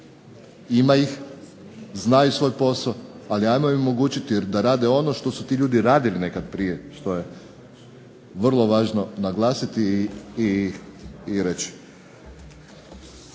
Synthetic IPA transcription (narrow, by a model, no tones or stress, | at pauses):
imajix | znaːjusʋo̞jpo̞saoaliajmoimomoɡuːt͡ɕit̪iɾd̪aɾaːd̪e̞o̞no̞ʃt̪o̞sut̪iːʎuːd̪iɾaːd̪iline̞kad̪̚pɾije̞ʃt̪o̞je̞ | ʋr̩lˠo̞ʋaːʒno̞naɡlˠaːsit̪iː | ɾet͡ɕi̥